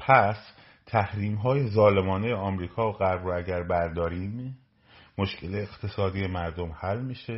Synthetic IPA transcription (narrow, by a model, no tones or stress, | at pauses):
pʰæs | t̪ʰæhɾiːmɦɒːje̞zɒːle̞mɒːnejeɒːmɾiːkʰɒːoɢæɾbɾoæɟæɾbæɾd̪ɒːɾiːm | moʃcʰe̞leːqt̪ʰe̞sɒːd̪ije̞mæɾd̪omhælːmiːʃe